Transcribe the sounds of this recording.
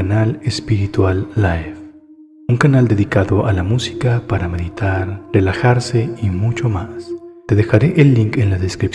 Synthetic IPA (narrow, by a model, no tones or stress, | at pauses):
analespiɾit̪walːajf | uŋkanald̪e̞ðikaðoʔalamusi̥kapaɾame̞ðit̪ʰaɾrelaxaɾseimut͡ʃomast̪eðexaɾeʔelːiŋkenlaðeskɾip